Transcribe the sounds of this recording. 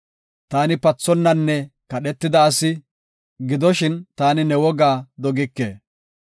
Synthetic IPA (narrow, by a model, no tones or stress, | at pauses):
t̪aːnɪpɐt͡sːɔnːɐnːɛkɐɗɛt̪ːɪd̪ɐːsɪ | ɡɪd̪ɔʃɪnt̪aːnɪnɛwɔɡaːd̪ɔɡɪkːḛː